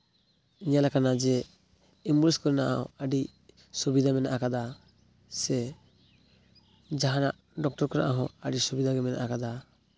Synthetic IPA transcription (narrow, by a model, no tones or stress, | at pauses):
iɲalakanad͡ʒɛ | imbuliskɔɾɛnaʔɔ̃əɖi | subid̪ʱamɛnaʔakad̪a | sɛ | d͡ʒaɦanaʔ | ɖɔk̚ʈɔɾkɔɾa̰ʔaɦɔ̃əɖisubid̪aɡɛmɛna̰ʔakad̪a